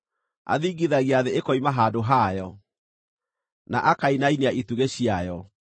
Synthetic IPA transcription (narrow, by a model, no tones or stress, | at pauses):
a̰ðiɡiðaɣiaːðeekɔimaɦaːdoɦajɔ | na̰ʔakainaineaʔituɣeɕiajɔ